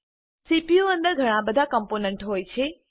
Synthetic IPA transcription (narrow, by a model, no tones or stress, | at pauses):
sipijoə̃nd̪əɾɡʱɐɽ̃abəd̪ʱakə̃mponə̃ɳʈɦoːjt͡ʃʰe